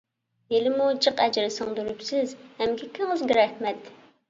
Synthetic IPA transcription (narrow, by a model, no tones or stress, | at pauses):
jelɪmut͡ʃʰəqɛd͡ʒɾɨsɨŋd̪yɾypsɪzhɛmkʲʰekʲʰːɪŋɨzɡʲɛɾɛhmɛt̪